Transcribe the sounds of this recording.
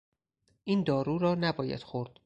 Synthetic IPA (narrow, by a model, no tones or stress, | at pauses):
ʔiːnd̪ɒːɾuːɾɒːnæbɒːjæ̰d̪̥xoɾd̪̥